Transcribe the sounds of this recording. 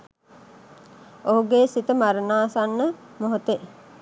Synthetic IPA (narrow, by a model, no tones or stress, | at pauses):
oɦuɡeːsit̪əmaɾənaːsanːəmoɦot̪e